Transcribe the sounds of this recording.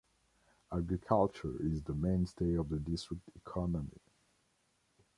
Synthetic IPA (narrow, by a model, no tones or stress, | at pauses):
aɡɹikʰalˠt͡ʃə̰˞ɪzðəmẽɪ̃nsteɪɔvðədɪstɹ̥ɪk̚tʰikʰɑnəmḭ